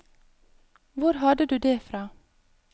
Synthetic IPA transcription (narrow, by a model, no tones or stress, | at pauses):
ʋʊɾɦɑd̪əd̪ʉːd̪eːfɾɑː